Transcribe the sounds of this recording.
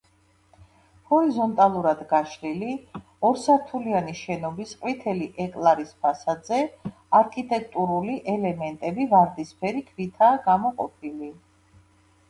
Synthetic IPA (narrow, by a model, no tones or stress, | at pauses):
hɔɾizɔnt̪ʼalˠuɾad̪ɡaʃɾili | ɔɾsaɾt̪ʰulianiʃɛnɔbisqʼwit̪ʰɛliʔɛkʼlˠaɾispʰasad̪zɛ | aɾkʼʰit̪ʼɛk̚ʰʼt̪ʼuɾuliʔɛlɛmɛnt̪ʼɛbivaɾd̪ispʰɛɾikʰvit̪ʰaːɡamɔqʼɔ̰pʰili